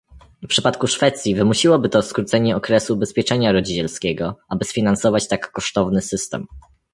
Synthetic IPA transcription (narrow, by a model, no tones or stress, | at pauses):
fpʂɘpat̪kuʂfɛt̪sʲjivɘmuɕiwɔbɘt̪ɔskɾut̪sɛɲɛɔkɾɛsuːbɛspʲjɛt͡ʂɛɲaɾɔd͡ʑit͡ɕɛlskʲɛɡɔʔabɘsfʲinansɔvat͡ɕt̪akːɔʂt̪ɔvnɘsɘst̪ɛ̰m